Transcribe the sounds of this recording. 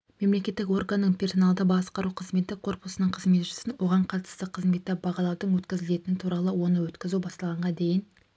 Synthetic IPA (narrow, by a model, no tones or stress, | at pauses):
me̞mle̞kʲe̞t̪ːɪko̞rɡanːəɴpʰʲe̞rso̞nɑlˠd̪əbɑsqɑɾuqʰəzme̞t̪ɪqʰo̞ɾpʊsənəɴqʰəzme̞t̪ʒɪ̥sɪnwo̞ʁɑɴqʰɑt̪ə̥st̪əqʰəzme̞t̪ːebɑʁɑlˠɑwd̪əɴwɵt̪kʲɪzɪle̞t̪ɪnɪt̪ʰuɾɑlˠəwo̞nəwɵt̪kʲɪzubɑst̪ɑlˠʁɑɴʁɑd̪e̞jɪn